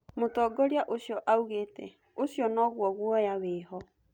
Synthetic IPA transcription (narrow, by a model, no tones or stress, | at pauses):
motɔːɡɔɾeaʔoɕjɔʔauɣeːtɛ | oɕjɔnɔɣwɔɣwɔjaweːɦɔ